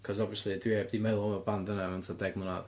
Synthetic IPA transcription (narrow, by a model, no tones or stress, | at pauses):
kʰɔzɔbviəslˠidwiebdimɛlˠɔməbandənaɛntʰɔdɛɡmənað